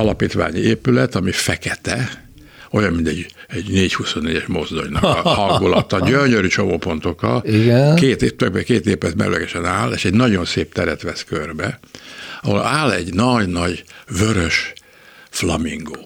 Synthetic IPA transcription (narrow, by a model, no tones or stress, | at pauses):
ɒlɒpiːt̪ʋa̰ːɲieːpylɛt̪ɒmifɛkɛt̪ɛ | ojɒmmint̪ɛɟɛɟneːchuso̞nːeːɟɛʃmo̞zd̪o̞̰jnɒkɒhɒŋɡulɒt̪ɒɟøɲøɾyt͡ʃo̞moːpo̞nt̪o̞kɒ̰liɡɛkeːt̪t̪øɡ̚bɛkeːt̪eːpɛt̪mɛ̰ɾylɛɡɛʃɛnaːleːʃɛɟnɒɟo̞nseːp̚t̪ɛɾɛt̪ʋɛskørbɛ | ɒho̰laːlɛ̰ɟnɒɟnɒɟvøɾøʃ | flɒmiŋɡoː